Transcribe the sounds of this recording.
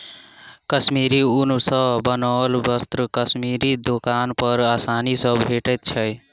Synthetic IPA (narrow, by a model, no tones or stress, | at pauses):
kəsmiɾiunsəbənɔlbəst̪ɾəkəsmiɾid̪okanpəɾasanisəbbʱeʈɛt̪̚t͡ʃʰəj